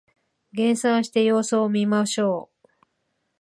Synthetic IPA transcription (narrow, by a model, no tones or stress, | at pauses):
ɡẽ̞ɰ̃sãɰ̃ɕi̥t̪e̞jo̞ːsoːmʲimaɕo̞ː